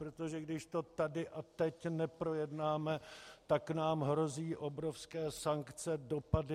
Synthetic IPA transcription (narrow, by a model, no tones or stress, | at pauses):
pɾot̪o̞ʒɛɡdɪʃt̪o̞t̪adɪʔat̪ɛcnɛpɾo̞jɛdnaːmɛt̪aknaːmɦɾo̞ziːʔo̞bɾo̞fskɛːsaŋkt͡sɛdo̞padɪ